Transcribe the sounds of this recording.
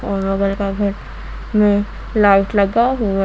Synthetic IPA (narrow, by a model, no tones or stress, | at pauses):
ɔːnoɡəlkaɡʱɐɾ | mẽ | laːɪʈlɐɡaɦu